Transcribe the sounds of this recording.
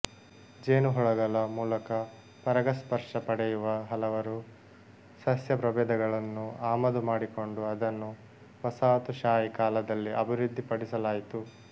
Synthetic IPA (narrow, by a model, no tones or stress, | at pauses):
d͡ʒeːnuɦɔɭɐɡɐlɐmuːlɐkɐ | pɐɾɐɡɐspɐɾʂɐpɐɽɛjuʋɐɦɐlɐʋɐɾu | sɐsjɐpɾɐbɛːd̪ɐɡɐɭɐnːuaːmɐd̪umaːɽiko̞ɳɖuɐd̪ɐnːu | pɐsaːt̪uʃaːjikaːlɐd̪ɐlːiɐbʱiɾud̪ʱːipɐɽisɐlaːjit̪u